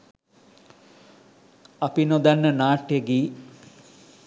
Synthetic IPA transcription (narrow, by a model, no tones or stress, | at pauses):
ɐpinod̪anːənaːʈjeɡiː